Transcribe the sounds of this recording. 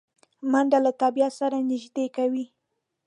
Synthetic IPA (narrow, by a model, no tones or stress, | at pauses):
mand̪alat̪ɑbiat̪saɾanɪʒd̪ekawi